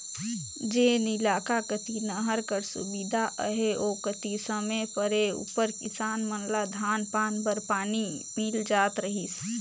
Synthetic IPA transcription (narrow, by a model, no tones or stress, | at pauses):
d͡ʒeːnɪlaːkakət̪inəɦəɾkəɾsʊ̰bid̪ʱaʔəɦeoːkət̪isəmepəɾeṵpəɾkɪsaːnmənlad̪ʱaːnpaːnbəɾpaːnimɪld͡ʒaːt̪ɾəɦis